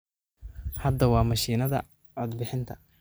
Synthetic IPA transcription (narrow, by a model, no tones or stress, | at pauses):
hɐd̪ːɐwɑːmɐʃiːnɐðɐ̰ | ʕɔd̪bɪħɪnt̪ʰɐ̥